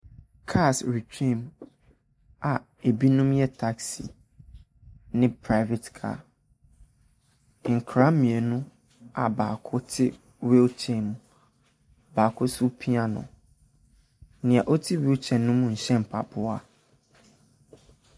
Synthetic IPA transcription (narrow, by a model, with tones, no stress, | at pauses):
kʰa˦˨sɾi˨kʰẽ˦˨m | a˨ | e˨bi˦nũ˦mjɛ˦tʰa˦ksi˨ | nɪ̃˦pʰɾa˦ɪ˦vɛ˨tkʰa̰ː˦˨ | ŋ̩˨kʰɾa˨˦mĩ˨e˨nʊ̃˦ | a̰˨baː˨kʰʊ˦tʰɪ˦ | we˦t͡ɕʰɛ˨m̃˨ | baː˨kʰʊ˦su˦pʰi˦a˦nʊ̰̃˨ | nɪ̃˨a˨ʔɔ˦tʰi˦we˦t͡ɕʰɛ̃˨nːʊ̃˦mũ˦˨ɲ̩˨ɕɛ̃˦m̩˨pʰa̰˨bʰʊ˦a˦